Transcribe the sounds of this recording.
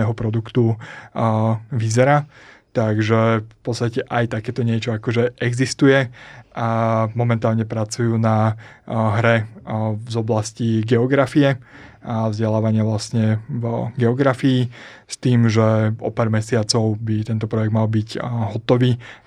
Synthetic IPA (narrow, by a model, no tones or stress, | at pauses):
ɛɦɔpɾɔd̪ukt̪u | ʋizɛɾaː | t̪aɡʒɛfpɔt̪st̪acɛʔajt̪akɛːt̪ɔɲɪɛt͡ʃɔakɔʒɛʔɛɡzist̪ujɛʔamɔmɛnt̪aːlɲɛpɾat͡sujuːna | ɦɾɛ | zɔblasciɡɛɔɡɾafiɛavzɟɛlaːʋaɲɪaʋlasɲɛvɡɛɔɡɾafiː | st̪iːmʒɛɔ̰paːɾmɛsɪat͡sɔʊbit̪ɛnt̪ɔpɾɔjɛɡ̚d̪malbicɦɔt̪ɔʋiː